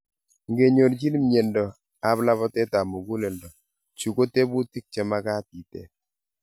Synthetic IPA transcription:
ŋɡe˨ɲo˨ɾd͡ʒi˦n˦mje˨ndɔ˨ | a˨˦bla˦βɔ˦tɛ˦ta˨mu˨ɡu˦le˨ndɔ˨ | t͡ʃu˨ko˦te˦bu˦ti˦k̚t͡ʃɛ˦ma˦ka˦ti˨tḛ˨

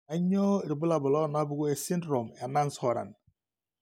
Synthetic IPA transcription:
a˨ɲɔ˦˨ɾi˨bu˦la˨bʊ˨lɔ˦˨na˦bu˦ɡu˦e˨si˦ndɾo˨mɛ˨na˦n˦sɔ˨ɾa̰˨n

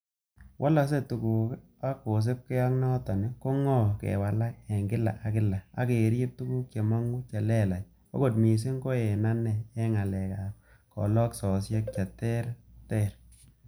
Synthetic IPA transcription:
wʔa˦la˦s̬e˦tu˨ku˨k | a˦ko˨s̬ɪ˦p̚kɛ˦ja˦ŋnɔ˦ta˨nɪ˦ko˦ŋɔ˦˨kɛ̰˨wa˨la˦k̚ɛ˨ŋɡɪ˦la̰˨ʔa˨kɪ˦la˨a̰˦ke˨ɾp̚tu˦ɡu˦k̚t͡ʃe˨mɔ˦ŋɡu˦t͡ʃa˨lɛ˦˨la˨j | o̰˦ɡo˨tmi˨s̬ɪ˦ŋɡo˦ɛ˨na˦nɛ˨ɛ˦ŋa˨lɛ˨ka˨ | kɔ̰˨lɔ˦ksɔ˨sje˦k̚t͡ʃa˨tɛ˦ɾtɛ˦˨ɾ

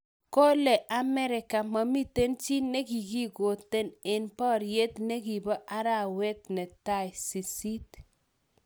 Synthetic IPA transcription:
ko˦le˨ʔa˨mɛ˦ɾɪ˨ka˨ma˨mi˦te˦nt͡ʃi˦ne˦ɡi˨ɡi˦ɡo˨te˦ne˨npɔ˦ɾje˦t̪ne˦ɡi˨bɔ˦ʔa˦ɾa˦˨wɛ˦t̪̚nɛ˨ta˦˨jsi˨si˦t

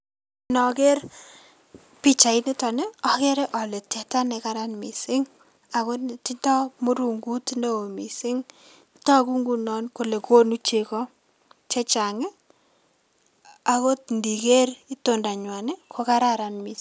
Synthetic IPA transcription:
nɔ˨kɛ˦ɾ | pi˦t͡ʃa˨ɪ˦nɪ˦tɔ˨ne˦ɔ˨kɛ˦ɾe˦ʔɔ˨le˨tɛ˨ta˦nɛ˨ka˦ɾa˦nmi˨sɪ˦ŋ | a˨ko˦nti˦ntɔ˦mu˦ɾu˦ŋɡu˦tine˦o˨mi˨sɪ˦ŋ | tɔ˦ku˦ŋɡu˦nɔ˦nko˨le˨ko˦nu˦t͡ʃe˦˨kɔ˦ | t͡ʃe˦t͡ʃa˨ŋɪ˦ | a˨ko˦tndi˨ke˦ri˦to˦nda˨ɲwa˨nɪ˦kʰo˦ka˦ɾa˦ɾanmi˨s

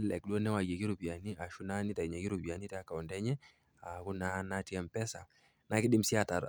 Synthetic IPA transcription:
lɛ˨k̚ɗɔ˦nɛ˦wa˨jɛ˨ki˦ɾu˨pi˨a˨ni˦a˨ʃu˦na˦ni˦ta˨i˨ɲa˨ki˦ɾu˨pi˨a˨ni˦tɛ˦a˦ka˨ɔ˨ndɛ˦ɲɛ˦ | a˨ku˦na˦na˦ti˦ɛ˦mpɛ˦sa˨ | na˨ki˦ɗi˦m̩si˦a˨ta˨

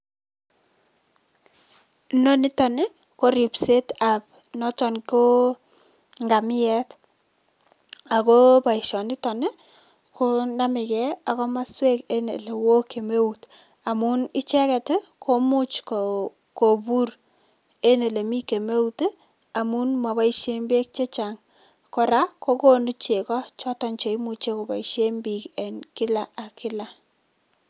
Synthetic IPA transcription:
no˦nɪ˦tɔ˨ne˦ | ko˦ɾi˨pse˦ta˨p̚ | nɔ˦tɔ˨nko˦ | ŋɡa˨mɪ˦ɛ˦t | a˨ko˦pa˨i˨ʃɔ˨nɪ˦tɔ˨nɛ˦ | kʰo˦na˦mɪ˨kɛ˦a˨kɔ˦ma˦swe˦ke˦nḛ˨le˨wo˦ke˨me˦ut | a˨mu˦ni˦t͡ʃɛ˦kɛ˨tɪ˦kʰo˦mu˦t͡ʃko | ko˨bu˦r | e˦ne˨le˨mi˦ke˨me˦u˦te˦ | a˨mu˦nma˨ba˦iʃe˦mbe˦k̚t͡ʃe˦t͡ʃa˨ŋ | kɔ˨ɾa˦ko˦ko˦nu˦t͡ʃe˨kɔ˦t͡ʃɔ˦tɔ˦nt͡ʃe˨i˦mu˨t͡ʃe˦ko˨pa̰˨iʃe˦mbi˨ke˨nkɪ˦la˨a˨kɪ˦la˨

